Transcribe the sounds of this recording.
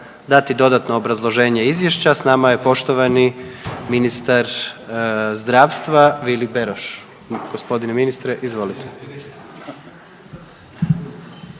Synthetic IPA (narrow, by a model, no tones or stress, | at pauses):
d̪at̪id̪o̞d̪at̪no̞ːbɾazlˠo̞ʒe̞ːɲeizʋje̞ʃt͡ɕasnamaje̞po̞ʃt̪o̞ʋaniminist̪aɾ | zd̪ɾaːʋst̪ʋaʋilibeɾoʃ | ɡ̥ospo̞d̪ineminist̪ɾeʔizʋo̞lit̪ʰe̥